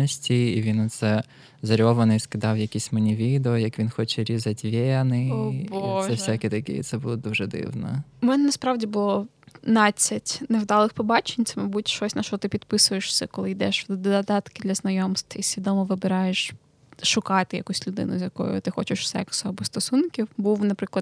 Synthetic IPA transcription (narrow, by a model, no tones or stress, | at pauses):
ɔsʲtʲiːʋʲinɐt̪sɛ | zɐɾʲɔʋɐnɪiskɪd̪ɑwjɐkʲisʲmɐnʲiʋʲid̪eɔjɐkʋʲinxɔt͡ʃɛɾʲizɐtʲʋʲɛnɪbosʒɛfssʲakʲit̪ɐkɪ̰t̪sɛbʊlˠɔd̪uʒɛd̪ɪ̰wnɐ̰mɛnɛnɐspɾɑwdʲibʊlˠɔ | nɑt͡sʲːɐtʲnewd̪ɑlˠɪxpɔbɑt͡ʃenʲt̪sɛmɐbutʲʃɔsʲnɐʃɔt̪ɪpʲid̪pɪsʊjeʃsʲɛkɔlˠɪjd̪ɛʃwd̪d̪ɔd̪ɐd̪ɑt̪kɪd̪lʲɐznɐjɔmst̪ʋɐisʲʋʲid̪ɔmɔʋɪbɪɾɑjeʃ | ʃʊkɑt̪ɪjɐkusʲlʲʊd̪ɪ̰nʊ̰zʲjɐkɔ̰jʊ̰t̪ɪxɔ̰t͡ʃɪʃwsɛ̰ksɐbʊst̪ɔsunkʲiwbuwnɐpɾɪklˠɐd̪